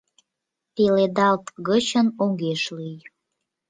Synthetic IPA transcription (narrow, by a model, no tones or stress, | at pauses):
t̪eled̪ɑlt̪ɣət͡ɕənoŋɡeʃlyj